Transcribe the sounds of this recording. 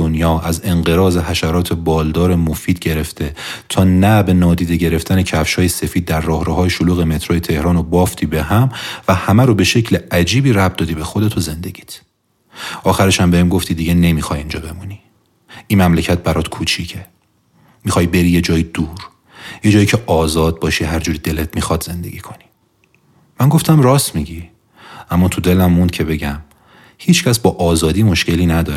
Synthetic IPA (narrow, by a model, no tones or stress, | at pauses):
onjɒːæze̞ŋɢeɾɒːze̞ɦæʃæɾɒːt̪ʰe̞bɒːld̪ɒːɾemofiːd̪̥ɟe̞ɾe̞ft̪ʰe̞t̪ʰɒːnæbe̞nɒːd̪iːd̪e̞ɟe̞ɾeft̪ʰænecʰæfʃhɒːjesefiːd̪̚ːæɾːɒːhɾoɦɒːjeʃoluːɣeme̞t̪ʰɾoːjet̪ʰe̞hɾɒːnobɒːft̪ʰiːbe̞ɦæmvæhæmæɾobe̞ʃe̞cʰleæd͡ʒiːbiːɾæb̚d̪ɒːd̪iːbe̞xod̪et̪ʰoze̞nd̪e̞ɟi̥t̪ʰ | ʔɒːxæɾeʃæmbehemɡo̞ft̪ʰiːd̪iːɟene̞mixɒːjind͡ʒɒːbe̞muni | ʔiːmæmlecʰæt̪̚bæɾɒːt̪kʰut͡ʃʰicʰe | mixɒːjbe̞ɾiːje̞d͡ʒɒːjid̪̥uːɾ | je̞d͡ʒɒːjicʰeʔɒːzɒːd̪̚bɒːʃiɦæɾd͡ʒuːɾid̪e̞let̪̚ʰmixɒːd̪ze̞nd̪e̞̰ɡʲiːkʰo̞ni̥ | mæŋɡoft̪ʰæmrɒːsmiɟi | ʔæmːɒːt̪ʰud̪e̞læmːund̪̚cʰe̞be̞ɟæm | hiːt͡ʃʰcʰæsbɒːʔɒːzɒːd̪iːmo̞ʃce̞liːnæd̪ɒːɾe